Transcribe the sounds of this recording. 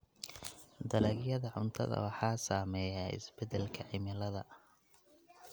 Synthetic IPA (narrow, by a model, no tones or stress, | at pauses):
d̪ɐlɛɡjɐðɐʕʊnt̪ʰɐ̰ðɐ̰wɑħɑːsaːmɛːjaɪ̰sbɛd̪ɛlkʰɐʕɪmɪlɐðɐ